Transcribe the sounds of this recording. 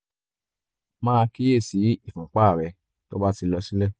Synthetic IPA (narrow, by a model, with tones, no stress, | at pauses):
mãː˦˧ki˦je˦˨si˨˦i˦˨fũ˨k͡pa˦˨ɾɛ˨˧ | to˦ba˦ti˧lɔ˧si˦lɛ˦˨